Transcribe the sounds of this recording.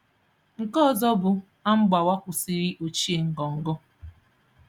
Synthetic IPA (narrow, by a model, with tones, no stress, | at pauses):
ŋ̩˨kɔ˦ɔ˨zɔ˦bʊ˨ | a˦m̩˦ɡ͡ba˨wa˦kʷʊ˨si˦ɾi˦ʔo˨t͡ʃi˦e˨ŋ̩˨ɡɔ˨ŋ̩˨ɡɔ˦